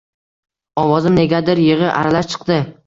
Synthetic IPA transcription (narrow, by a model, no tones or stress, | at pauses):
ɒwɒzɪmne̞ɡʲad̪ɪɾjɪʁɨʔa̰ɾalaʃt͡ʃʰɨ̥qd̪ɪ